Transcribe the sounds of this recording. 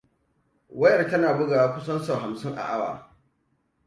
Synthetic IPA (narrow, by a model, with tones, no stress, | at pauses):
wɐ˦jɐ˨rkɐ˦naː˨bʊ˦ɡaː˨wa˦kʷʊ˦sɐ˦nsa˨ɦa˨msɪ˦ŋʔa̰˨ʔa˦wa̰ː˨